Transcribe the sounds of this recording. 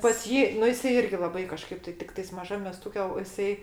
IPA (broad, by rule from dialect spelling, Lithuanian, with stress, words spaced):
pɐs ˈjiː nʊ ˈjɪsɐɪ ˈɪrʲɡʲɪ lˠɐˈbɐɪ kɐˈʃkɐɪp tɐɪ ˈtʲɪktɐɪs mɐˈʒɐm mʲɛˈstʊkʲɛ oː jɪˈsɐɪ